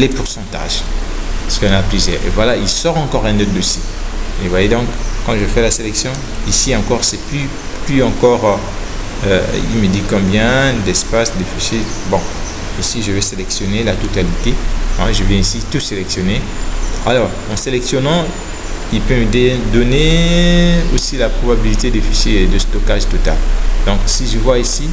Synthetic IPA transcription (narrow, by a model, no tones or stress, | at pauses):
lepuʁsɑ̃t̪a̰ʒ | sə̥kɔ̃naplyzjɛ̰ːʁḛvwalailsɔʁɑ̃kɔʁɛ̃not̪̚d̪osievwajed̪ɔ̃kːɑ̃ʒəfɛlaselɛksjɔ̃ | isiɑ̃kɔʁsɛply | plyɑ̃kɔʁ | ø̰ḭlməd̪ikɔ̃bjɛ̃d̪ɛspasd̪efysebɔ̃ | osiʒəvɛselɛksjɔnelat̪ɔt̪alit̪eɛ̰̃ʒəvjɛ̃isit̪uselɛksjɔne | alɔːʁ | ɑ̃selɛksjɔnɑ̃ | ilpømd̪ed̪ɔne | o̰silapχobabilit̪ed̪efised̪əst̪ɔkaʒt̪ɔt̪a̰ld̪ɔ̃ksiʒəvwaisi